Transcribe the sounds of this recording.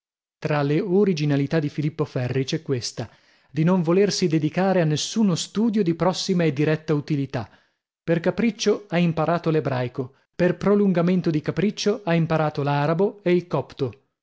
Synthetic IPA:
t̪ɾaleoɾid͡ʒinalit̪ad̪ːifilipːofɛrːit͡ʃɛkːwest̪a | d̪inoɱvolersid̪ed̪ikaːɾeanːesːuːnost̪uːd̪jod̪ipɾɔsːimaed̪ːiɾɛt̪ːaut̪ilit̪a | perkapɾit͡ʃːoaimpaɾaːt̪olebɾajko | perpɾoluŋɡament̪od̪ikapɾit͡ʃːoaimpaɾaːt̪olaːɾaboeilkɔpt̪o

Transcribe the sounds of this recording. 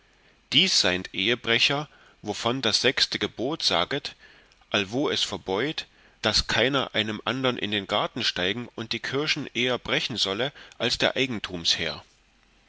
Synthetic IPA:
d̥iːsz̥aɪntʔeːəbʁɛçɐ | vofɔndasz̥ɛkstəɡəboːtz̥a̰ːɡət | ʔalvoːɛsfɛɐbɔʏt | d̥askʰaɪnɐʔaɪnəmʔandɐʁnʔɪ̰ndeːnɡaɐtn̩ʃtaɪɡŋ̩ʊnt̚d̥iːkʰɪɐʃn̩ʔeːɐbʁɛçn̩zɔləʔalsd̥eːɐʔaɪɡŋ̩tʰuːmshḛːɐ

